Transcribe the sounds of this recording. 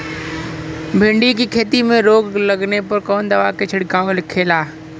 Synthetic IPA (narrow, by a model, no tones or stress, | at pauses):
bʱɪ̃ɳɖikikʰeːt̪imẽɾoːɡləɡnepɐɾkɔːnd̪ɐʋaket͡ʃʰɪɽkaːolɪkʰːeːlaː